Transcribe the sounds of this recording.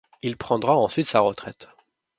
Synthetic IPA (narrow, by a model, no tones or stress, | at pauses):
ilpχɑ̃d̪ʁaɑ̃sɥit̪saʁət̪χɛt̪